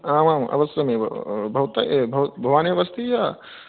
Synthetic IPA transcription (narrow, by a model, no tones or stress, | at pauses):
aːmaːmʔɐ̰ʋɐsjɐmeːbʱɐʋt̪ɐebʱɐʋbʱɐʋaːneʋɐst̪ija